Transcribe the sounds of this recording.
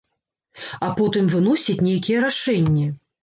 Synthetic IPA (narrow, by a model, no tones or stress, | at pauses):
apɔt̪ɨmvɨn̪ɔsʲit͡sʲnʲejkʲijɛɾaʂɛnʲːɛ